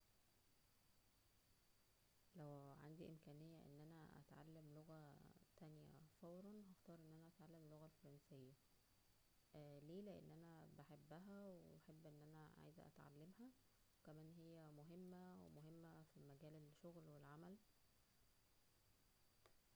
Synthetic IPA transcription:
læwʕa̰nd̪iʔemkæːnejːæʔḛnːʔænæʔæ̰t̪ʕa̰lːemloɣæt̪ænjæ̰fɑwɾˤɑnɦæxt̪ɑːɾˤʔenːʔænæʔæt̪ʕalːæmloɣælfɑɾˤɑnsejːæ | leːleʔḛnːʔænæbeħebːæɦæweħebːʔenːʔænæʕa̰ːjezæʔæ̰t̪ʕa̰lːemhæ | wekæmæːnɦejːæmoɦemːæwemoɦemːæfimæɡæːlelʃoɣlwelʕamæl

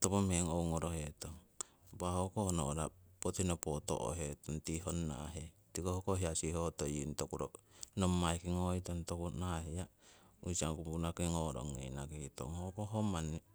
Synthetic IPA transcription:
topomheŋoŋoɾohet̪oŋ | bahokohonoɾapot̪inopot̪o̰ʔo̰ɦet̪ont̪iɦonːa̰ɦe | tikohokoɦiasihot̪ojintokuɾo̰nomːaikiŋoit̪ont̪okunaɦeja | usaŋkuunakiŋoɾo̰ŋːḛna̰kihit̪o̰ŋhokoɦomani

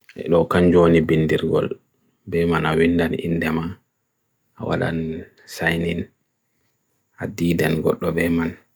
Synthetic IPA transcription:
ʔɛ̰ɗɔkand͡ʒoːnibindiɾɡɔ̰l | bɛmanawindanḭnːdɛma | ʔawa̰ɗa̰n | sajnin | adiːdanɡɔ̰ɗːɔbɛman

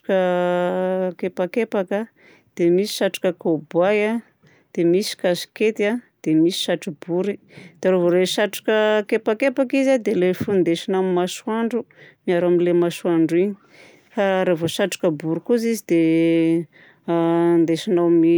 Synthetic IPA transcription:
kə | kepakepakə | d̪̥emisi̥ʃaʈ͡ʂḁkəkobaja | d̪̥emisi̥kasi̥ket̪ad̪̥emisi̥ʃaʈ͡ʂib̥uɾi | d̪̥aɾovoɾeʃaʈ͡ʂḁkəkepakepakizad̪elefund̪eʃinammaʃwaɳɖ͡ʐumiaɾaminlemaswaɳɖ͡ʐiɲi̥ | faɾevoʃaʈ͡ʂḁkəbuɾukuzizid̪̥e | nd̪eʃinami

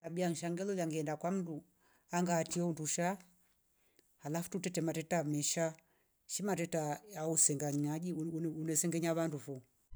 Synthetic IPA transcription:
sabiaŋ̩ʃaŋɡɛlɔlaŋɡɛɛndakwam̩du | aŋɡaːtiɛunduʃa | halafu̥tutɛtɛmatɛtamɛʃa | ʃimatɛtajausɛŋɡaɲaʄiunɛsɛŋɡɛɲaβandufɔ

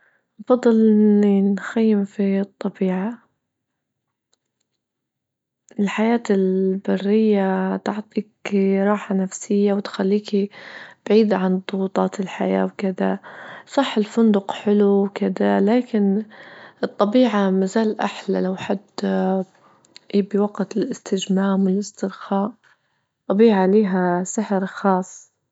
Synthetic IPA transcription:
nɑfɑd̪ˤːɨlɪninxajːɪmfit̪ˤːɑbiːʕa | ʔɪlħajaːt̪ɪlbɑrːɪjːat̪ʊʕt̪ˤiːkɾˤɑːħanafsɪjːawɪt̪xalːiːkib̥ʕiːd̪ʕand̪ˤʊɣuːt̪ˤɑːt̪ɪlħa̰jaːwkɪd̪asˤɑħːɪlfʊnd̪ʊqħɪluwkɪd̪alaːkɪnʔɨt̪ˤːɑbiːʕamazaːlʔaħlalawħad̪ | ʔiːbiwaɡt̪ɪlɪst̪ɪd͡ʒmaːmwɪlʔɪst̪ɪɾxaːʔ | ɑbiːʕaliːɦasɪħɾxɑːsˤː

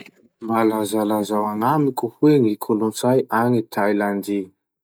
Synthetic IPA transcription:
malazalazawanamikuhuenikʰulunt͡sajanit̪ʰajland̪i

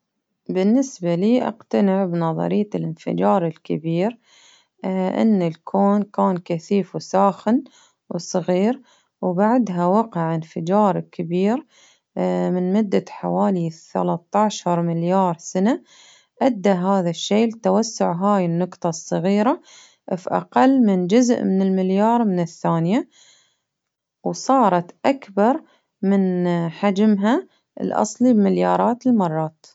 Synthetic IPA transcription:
bɪnːɪsbaliːʔa̰qt̪anɪʕbnɑðˤɑ̰ɾɪjːalɪnfɪ̰d͡ʒɑːɾˤɪlkɪbiːɾ | ʔɪ̰nːɪlkʰoːnkaːnkaθiːfwsaːxɪn | wsˤɑɣiːɾ | wbaʕd̪ɦawɑqɪʕɪnfɪd͡ʒɑːɾˤkɪbiːɾ | mɪnmʊd̪ːaħa̰waːliθa̰lat̪ːaʕʃɑɾˤmɪljɑːɾˤsana | ʔad̪ːaɦaːðaʃːeːlt̪awasːʊʕɦaːjɪnːʊqt̪ˤɑsˤːɑɣiːɾa | fiʔɑ̰qɑlːmɪnd͡ʒʊzʔmɪnɪlmɪljɑːɾˤmɪnɪθːaːnja | wsˤɑːɾˤɑt̪ʔakbɑɾˤ | mɪnħad͡ʒmɦa | ɪ̰lʔɑ̰sˤlibmɪljɑːɾˤɑːt̪ɪlmɑrˤːɑːt̪

